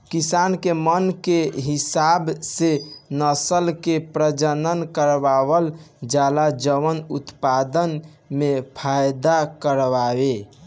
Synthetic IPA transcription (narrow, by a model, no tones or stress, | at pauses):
kisankemənkeɦisabsenəsəlkepɾəd͡ʒənənkəɾbaβəld͡ʒalad͡ʒəʋənut̪pad̪ən | mepʰajd̪akəɾʋabe